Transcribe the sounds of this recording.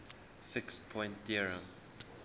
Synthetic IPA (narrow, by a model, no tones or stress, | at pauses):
fɪkspʰɔ̃j̃ntdiɹə̃m